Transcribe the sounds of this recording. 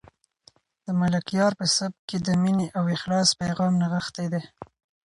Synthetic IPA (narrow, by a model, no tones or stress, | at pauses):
d̪̥əmalakjɑɾpəsab̚ked̪əmineʔawɪxlɑspajɣɑmnaɣəxt̪ed̪e